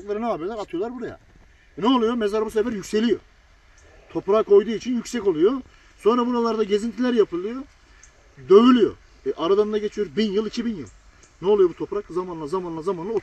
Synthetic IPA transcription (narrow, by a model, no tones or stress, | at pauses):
klˠaɾɯnɛaːbilˠaɾat̪ʰɯjo̞lˠaɾbuɾaja̰ | nɛolˠujo̞mezaɾbusevæɾjycʲse̞lʲijo̞̰ | t̪ʰo̞pɾaːkʰo̞jd̪uːit͡ʃʰinjycʲsɛco̞lˠujo | so̞nɾabuɾalˠaɾd̪aɟe̞zint̪ʰilʲæɾjapʰɯlˠɯjo | d̪ø̞vylʲyjo̰ | ʔaɾad̪aɯnd̪aɟe̞t͡ʃʰijo̞ɾbinjɯlˠicʰibinjɯ̰lˠ | nɛo̞lˠujobut̪ʰo̞pɾakzamanˠazamanlˠazamanao